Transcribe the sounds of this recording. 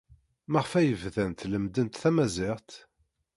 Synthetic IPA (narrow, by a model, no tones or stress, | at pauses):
məʁfæjəvðænt̪ləmd̪ənt̪θæmæzɪʁt̪